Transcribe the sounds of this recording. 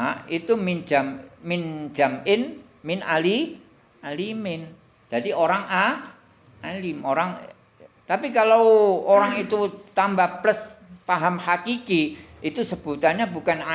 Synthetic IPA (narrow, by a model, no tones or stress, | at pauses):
ʔit̪umind͡ʒamːɪnd͡ʒ̥a̤mɪn | mɪnali | alimɪn | d͡ʒ̥adioɾaŋa | alimoɾaŋ | t̪apikalawoɾaŋit̪ut̪ambahpləspaɦamhakiki | it̪usəb̥ut̪aɲabukana